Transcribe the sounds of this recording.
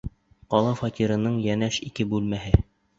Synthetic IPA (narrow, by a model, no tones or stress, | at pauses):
qɒlˠɑfɑt̪ʲiɾɤ̆nɤɴjænæʃikɘbʉlmæɦɘ